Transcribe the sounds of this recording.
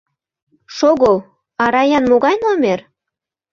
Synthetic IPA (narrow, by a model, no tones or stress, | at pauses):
ʃoɣow | ɑɾɑjɑnmoɣɑjnomer